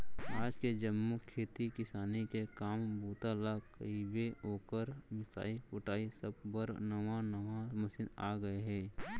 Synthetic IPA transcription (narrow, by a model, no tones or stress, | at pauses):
aːd͡ʒked͡ʒəmːukʰeːt̪ikɪsaːnikekaːmbuːt̪alakəibeɦoːkəɾmɪsa̰ːipʊʈaːisəb̚bəɾnəʋanəʋamɐsɪna̰ːɡəeɦɛː